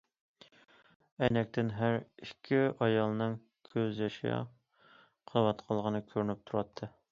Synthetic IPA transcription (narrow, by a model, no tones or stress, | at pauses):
ɛjnɛk̚ʲt̪ʰɪnɦæɾikʲʰːiɑjɑlˠnɨŋ | kʲʰøzjɑʃɑ̰ | qʰɑwɑt̪qʰəlˠʁənɨkʲʰøɾnyp̚t̪ʰuɾɑt̪ʰːɨ